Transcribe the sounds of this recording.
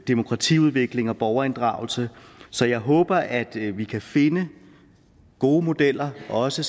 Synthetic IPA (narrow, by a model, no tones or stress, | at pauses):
d̥imo̝kʰʁɑ̈t͡sʰḭuð̞ˠʋe̝ɡ̥le̝ŋɒ̽b̥ɒʊɐe̝nd̥ʁɑ̰̈ːʊl̩səsɒ̽jɑ̈ɪɦɔ̽ːb̥ɐʔæd̥ʋikʰæfe̝nə | ɡ̥o̝ːmo̝d̥el̰ɐʔɒ̽sə